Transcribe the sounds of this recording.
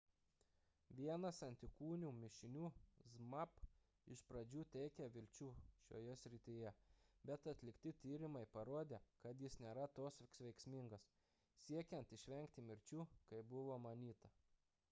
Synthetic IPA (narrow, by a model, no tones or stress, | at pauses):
ʋʲiɛnɐsɐnʲt̪ʲɪkuːnʲuːmʲɪʃʲɪnʲuːzmɐp | ɪʃpɾɐd͡ʒʲuːt̪ʲɛɪkʲɛʋʲɪlʲt͡ʃʲuːʃʲo̰ːjɛsʲɾʲɪt̪ʲijɛbʲɛt̪ɐt̪ʲlʲɪkt̪ʲɪt̪ʲiːɾʲɪmɐɪpɐɾoːd̪ʲeːkɐt̪jɪsnʲeːɾɐt̪oːssʋʲɛɪksʲmʲɪŋɡɐs | sʲiɛkʲɛnt̪ɪʃʲʋʲɛŋʲkt̪ʲɪmʲɪɾʲt͡ʃʲuːkɐɪbʊʋoːmɐnʲiːt̪ɐ